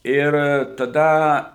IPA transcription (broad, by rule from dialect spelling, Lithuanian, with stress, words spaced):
ˈɪr tɐˈdɐ